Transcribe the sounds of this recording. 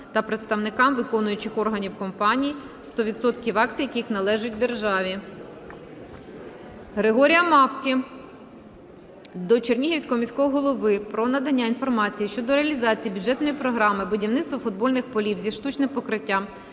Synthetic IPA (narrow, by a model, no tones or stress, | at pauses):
t̪ɐpɾet̪st̪ɐwnɪkɑmʋɪkɔnʊjʊt͡ʃɪxɔrɦɐnʲiwkɔmpɑnʲiji | st̪ɔʋʲid̪sɔt̪kʲiʋɑk̚t͡sʲijɐkʲixnɐlˠɛʒʊtʲwd̪erʒɑʋʲi | ɦɾeɦɔɾʲijɐmɑwkʲɪ | d̪ɔt͡ʃernʲiɦiwsʲkɔɦɔmʲisʲkɔɦɔɦɔlˠɔʋɪpɾɔnɐd̪ɐnʲːain̪fɔrmɑt͡sʲijiʃt͡ʃɔd̪ɔɾeɐlʲizɑt͡sʲijibʲʊdʒɛt̪nɔjipɾɔɦɾɑmɪbʊdʲiwnɪt̪st̪ʋɔfʊd̪̚bɔlʲnɪxpɔlʲiwzʲiʃt̪ut͡ʃnɪpɔkɾɪtʲːa